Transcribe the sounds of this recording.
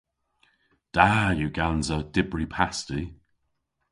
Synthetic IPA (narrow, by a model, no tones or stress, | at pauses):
d̥ajuɡanzəd̥ɪbɹipʰasti